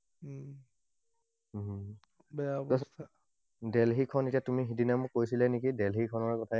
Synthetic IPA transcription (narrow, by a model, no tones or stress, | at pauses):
bɛaɔs | dɛlɦikʰɔnetijatumiɦidinamʊkːojsilɛnekidɛlɦikʰɔnɔɹkɔtʰa